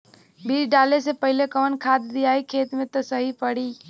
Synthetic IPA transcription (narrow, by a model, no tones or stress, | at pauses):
biːɾɖaːlesepɐɦɪlekɐʋənkʰaːd̪d̪ijaːikʰeːt̪mẽt̪osəɦipɐɽiː